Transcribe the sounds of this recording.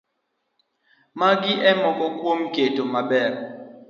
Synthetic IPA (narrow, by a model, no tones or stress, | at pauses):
mak̬iʔɛmɔkɔk̬ʼwom̩ɡ̥ʱetʼɔmaɓɛːrɔ